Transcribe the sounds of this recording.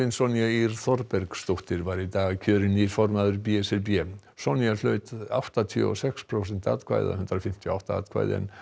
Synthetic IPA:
ɪnsɔniaiɾ̥θɔɾpɛɾkst̪oht̪ɪɾvaɾit̪aːɣcʰœːɾɪniɾ̥fɔɾmaðʏɾpiɛsɛlpjɛ | sɔnialœːɥt̪a̰wht̪at̪ʰiɔ̰sɛkspʰɾosɛn̥t̪a̰ːðkʰva̰ːjða̰hʏnt̪ɾafɪm̥t̪ʰjɔawht̪aa̰ːðkʰva̰jðɛ̰n

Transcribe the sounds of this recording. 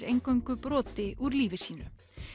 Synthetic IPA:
ɾejŋkoɥjŋkʏpɾɔːt̪ɪʔuɾliːvɪsiːnʏ̰

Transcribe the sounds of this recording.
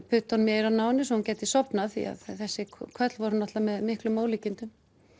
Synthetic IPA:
pʰʏt̪ɔnmjɛːjɾawnaːwnːɪs̬ɔhuncɛːt̪ɪisɔpnaθḭa̰ðθɛsːɪkʰvœt̪lvɔɾʏnɔt̪lamɛðmɪhklʏmːoːwliːcɪnt̪ʏm

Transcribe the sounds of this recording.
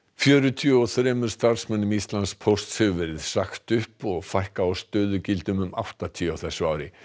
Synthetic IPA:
fjœːɾʏt̪ʰiːɔθɾɛːmʏɾ̥st̪aɾ̥smɛnːʏmist̪lanspʰost̪shɛɣʏvɛɾɪðsaxt̪ʏhpɔɣfajhkaːwst̪œːðʏcɪlt̪ʏmʏma̰wht̪at̪ʰiːawθɛsːʏaːwɾɪ

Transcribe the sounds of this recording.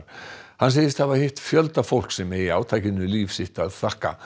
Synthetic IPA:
ɾ̥hanseːjɪst̪ʰavḁhejht̪fjœlt̪afowl̥ksɛmɛiaːwt̪ʰaːjcɪnʏliːfsɪht̪aðθahka̰

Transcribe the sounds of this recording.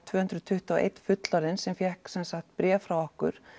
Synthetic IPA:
t̪ʰvœːhʏnt̪ɾʏt̪ʰʏht̪aʔḛjt̪fʏt̪laɾɪnsɛmfjɛhksɛnsaxt̪pɾjɛːfɾawɔhkʏ̰ɾ̥

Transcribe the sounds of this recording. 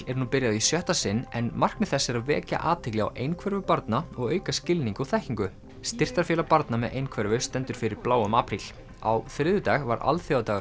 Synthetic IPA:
ɛɾ̥nupɪɾjaðisjœht̪asɪnːɛnmar̥knʏθɛsːɪɾaðvɛ̰ːca̰ʔaːt̪ʰɪklɪa̰wʔejnkʰvɛɾvʏpaɾt̪naɔɣœːɥkascɪlniŋkaθɛhciŋkʏ | st̪ɪr̥t̪aɾfjɛːlapaɾt̪namɛðʔejnkʰvɛɾvʏst̪ɛnt̪ʏɾ̥fɪɾɪɾplaːwʏmaːpɾil̥ | a̰wfɾɪːðʏt̪aɣva̰ɾa̰lθjowat̪aːɣ

